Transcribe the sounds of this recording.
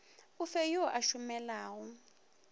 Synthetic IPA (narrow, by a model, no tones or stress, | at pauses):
ufɛjuɔʔaʃumɛlaːɣɔ